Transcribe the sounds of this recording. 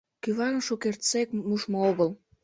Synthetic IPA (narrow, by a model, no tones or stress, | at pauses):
kyβɑnʃokert͡sekmuʃmooɣəl